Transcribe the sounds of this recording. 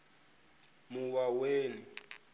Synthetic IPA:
muwaweːni

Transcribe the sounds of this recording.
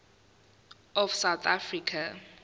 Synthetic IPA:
ɔfsawt̪ʰafrikʰa

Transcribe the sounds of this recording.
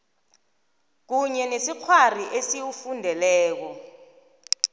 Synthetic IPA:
k̬uɲɛnesik͡xʰwariʔesiwufundʱɛlɛːk̬ɔ

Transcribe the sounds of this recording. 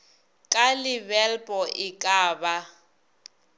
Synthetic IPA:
kʼalɪbɛlpʼɔʔɪkʼaːba

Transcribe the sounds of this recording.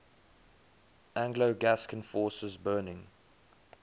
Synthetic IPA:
ʔæ̃ŋɡloʊɡæskə̃nfɔːˑsəzbɜːnɪ̃ŋ

